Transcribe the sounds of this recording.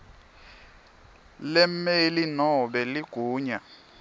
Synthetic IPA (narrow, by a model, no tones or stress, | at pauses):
lɛmelinɔɓɛliɡ̥ʱuːɲa